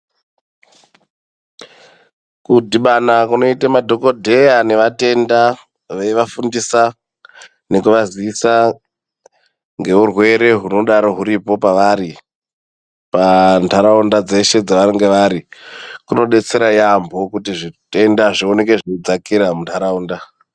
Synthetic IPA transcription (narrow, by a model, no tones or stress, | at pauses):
kudʱiɓanakuno̞itemadʱo̞ko̞dʱe̞jane̞ʋate̞nda | ʋeʋafundisa | ne̞kuʋaziisa | ŋɡe̞urwe̞ɾe̞ɦuno̞ɗaɾo̞ɦuɾipo̞paʋaɾi | pantʰaɾaundad͡ze̞ʃe̞d͡zaʋaɾiŋɡeʋaɾikuno̞ɗe̞t͡se̞ɾajambʱo̞kutiʐite̞ndaʐio̞ne̞ke̞ʐod͡zakiɾamuntʰaɾauːnda